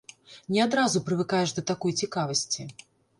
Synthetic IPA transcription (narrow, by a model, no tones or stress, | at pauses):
nʲɛad̪ɾazupɾɨvɨkajɛʐd̪ɐt̪akɔjt͡sʲikavɐsʲt͡sʲi